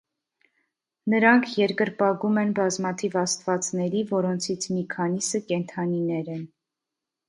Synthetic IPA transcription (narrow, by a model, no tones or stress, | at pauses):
nəɾɑŋkʰjɛɾkəɾpɑɡumɛnbɑzmɑt̪ʰivɑst̪vɑt͡snɛɾivɔɾɔnt͡sʰit͡sʰmikʰɑnisəkɛnt̪ʰɑninɛɾɛn